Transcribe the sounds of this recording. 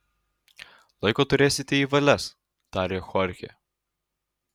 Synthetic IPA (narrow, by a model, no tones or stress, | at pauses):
lˠɐɪkoːt̪ʊɾʲeːsʲɪt̪ʲɛiːʋɐlʲɛs | t̪ɑːɾʲeːxɔɾʲxʲḛ